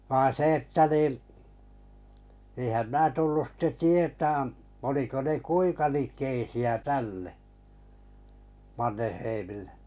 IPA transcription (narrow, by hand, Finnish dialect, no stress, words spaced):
ʋɑin̞ se etːæ niˑ eˑĭhæm mæː tulːus sitːe tietæːn oliko ne kuiŋkɑ likˑeisiæ tælːe mɑnːeheimilːe̥